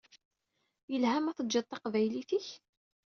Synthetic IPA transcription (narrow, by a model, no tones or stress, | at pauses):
jəlhæmæθəd͡ʒʒət̪ːˤɑqvæjliθiç